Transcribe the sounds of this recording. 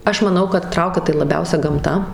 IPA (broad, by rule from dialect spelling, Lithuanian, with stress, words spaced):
ˈɐʃ mɐˈnɐʊ kɐt ˈtrɐʊkʲɛ tɐɪ lˠɐˈbʲɛʊsʲɛ ɡɐmˈtɐ